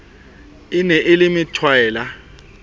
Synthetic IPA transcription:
ɪnɛʔɪlimitʰwaɛːla

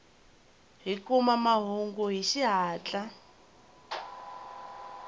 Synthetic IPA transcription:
ɦikumamaɦuŋɡuɦiʃiɦaːt͡ɬʼa

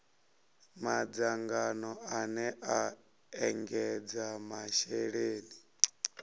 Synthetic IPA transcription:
mad͡zaŋɡanɔanɛʔa | ɛŋɡɛd͡zamaʃɛɺeːni

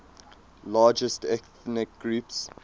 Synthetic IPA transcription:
lɑːd͡ʒəstɛθnɪk̚ɡɹuːps

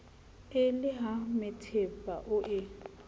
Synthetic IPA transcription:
ɪlɪɦamɪtʰepʼaʔʊʔɪ

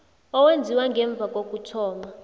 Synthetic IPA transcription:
ɔwend͡zʱiwaŋɡʱɛɱb̪vʱakʼok̬ʼutʰɔːma

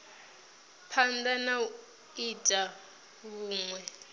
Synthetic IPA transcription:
pʰandana | itʼa | βuːŋwɛ

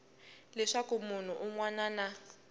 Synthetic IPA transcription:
lɛʂakumun̤uʔuŋwanaːna

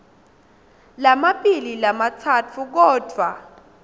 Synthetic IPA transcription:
lamaɓililamat͡sʰatʰuk̬ɔːd̥ʱwa

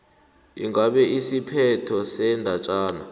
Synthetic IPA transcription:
ḭŋɡaɓɛʔisipʰɛtʰɔsɛndʱat͡ʃʼaːna̰

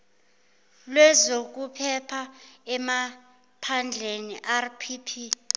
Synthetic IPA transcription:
lwɛzok̬ʼupʰɛpʰaɛma | pʰand͡ɮʱeniʔarpʰipʰi

